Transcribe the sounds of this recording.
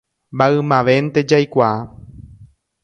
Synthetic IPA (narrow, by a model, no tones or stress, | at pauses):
mbaɨmãʋe̞nt̪e̞d͡ʒajkʷaa